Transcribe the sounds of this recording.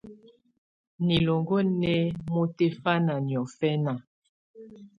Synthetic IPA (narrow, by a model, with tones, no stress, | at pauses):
ni˨lo˨ŋɡo˦nɛ˦mo˦te˦fa˦na˨njɔ˨fɛ˦na˨